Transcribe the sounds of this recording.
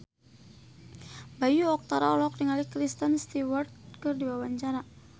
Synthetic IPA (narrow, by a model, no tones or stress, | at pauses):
bajuɔk̚t̪aɾaɔlɔɔk̚diŋalikɾist̪ənst̪iwɔrt̪̚kɨrdiwawaɲt͡ʃaɾa